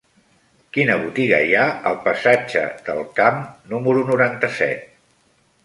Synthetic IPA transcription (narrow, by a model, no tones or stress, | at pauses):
kinəβut̪iɣə̰jaəlˠpəsad͡ʒə̰d̪əlˠkamnuməɾunuɾant̪əsɛ̰t̪̚